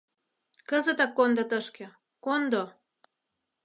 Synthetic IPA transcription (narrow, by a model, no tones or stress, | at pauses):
kəzət̪ɑkːond̪ot̪əʃkĕ | kond̪o